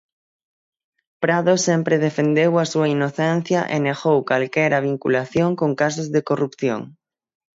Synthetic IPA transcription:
pɾaðosempɾeð̞efend̪ewasuainoθen̟θjaʔeneɣowkalkeɾaβ̞iŋkṵlaθjoŋkoŋkas̬ozðekorupθjo̰ŋ

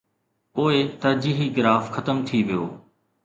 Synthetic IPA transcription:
poːet̪ɐɾd͡ʑiːɦiɡɪɾaːfxɐt̪əmt̪ʰiʋɪjoː

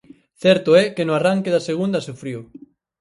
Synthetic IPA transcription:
θɛɾt̪ʊɛkenʊaraŋkeðaseɣund̪ɐsufɾiw

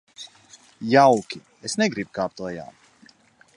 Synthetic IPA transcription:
jawkʲi | esneɡɾibkaːp̚t̪lˠaja̰ː

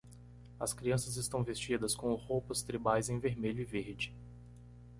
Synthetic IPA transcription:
ɐ̰skɾiɐ̃sɐzɪst̪ɐ̃w̃vest͡ʃid̪ɐskõʊhowpɐst̪ɾibajzẽj̃veɾmeʎʊɪveɾd͡ʒɪ

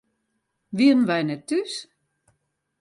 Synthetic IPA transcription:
ʋiədn̩ʋɛjnɛtːys

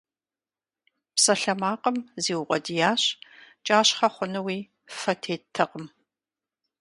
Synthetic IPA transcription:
psɐɬɐmaːqəmzeːwʊqʷʼɔdijaːɕt͡ʃʼaːɕχɐχʷʊnɐwiː | fɐtʰeːtʰːɐqəm

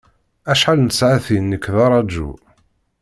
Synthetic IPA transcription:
æʃħalnsʕaθinːəkːðɑɾˤɑd͡ʒṵ

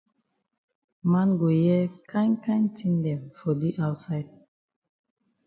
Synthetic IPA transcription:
mãnɡojɛkʰãɪ̃nkʰãɪ̃ntʰĩŋdɛ̃mfɔdiʔaʊtsaɪd

